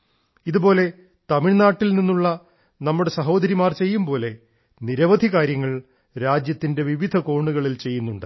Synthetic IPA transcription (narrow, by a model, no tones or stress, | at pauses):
iðupo̞ːle̞ | t̪ɐmiɭnaːʈːilninːuɭːɐ | nɐmːuɽe̞sɐɦo̞ːd̪ɐɾimaːrt͡ɕe̞jːumpo̞ːle̞ | niɾɐʋɐd̪ʱikaːɾjɐŋːɐɭ | ɾaːd͡ʑjɐt̪ːinde̞ʋiʋid̪ʱɐko̞ːɳːuɣɐɭilt͡ɕe̞jːunːuɳɖɨ